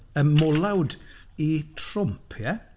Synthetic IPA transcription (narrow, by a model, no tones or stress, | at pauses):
əmɔlˠawditʰrʊmpʰjɛ